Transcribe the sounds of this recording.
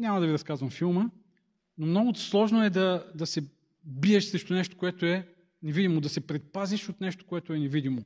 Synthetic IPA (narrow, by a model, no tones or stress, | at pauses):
ɲʲamɐd̪ɐviɾɐskazvəmfilˠmə | nomnɔɡʊslˠɔʒnoɛd̪ɐd̪ɐsɛ | biɛʃsɾɛʃt̪onɛʃt̪o̥koɛt̪oɛ | nɛvid̪imod̪ɐsɛpɾɛt̪̚paziʃot̪nɛʃt̪o̥koɛt̪ʊɛnɛvid̪imo